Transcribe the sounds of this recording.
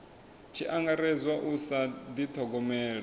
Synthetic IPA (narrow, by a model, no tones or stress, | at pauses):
t͡ʃʰiʔaŋɡaɾɛzwaʔusad̪it̪ʰɔɡɔmɛːɺa